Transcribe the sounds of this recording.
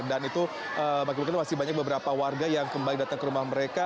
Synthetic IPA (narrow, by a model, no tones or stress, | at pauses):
danit̪u | əmakɪimakt̪umasɪihbaɲak̚bəbəɾapawarɡajaŋkəmbalɪk̚dat̪aŋkəɾumahməɾeka